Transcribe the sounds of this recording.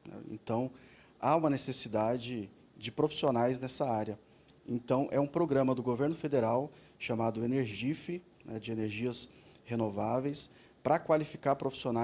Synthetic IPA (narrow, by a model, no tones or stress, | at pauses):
nɛ̰ḛ̃nt̪ɐ̃w̃ | aũmɐnesesid̪ad͡ʒɪ | d͡ʒɪpɾofi̥sionajznɛsɐaɾjɐ | ḛ̃nt̪ɐ̃w̃ʔɛũpɾoɡɾɐ̃mɐd̪ʊɡoveɾnʊfed̪eɾaw | ʃamad̪ʊeneɾʒifɪ | nɛd͡ʒɪeneɾʒiɐshenovavejs | pɾɐkwalifi̥kaɾpɾofi̥siona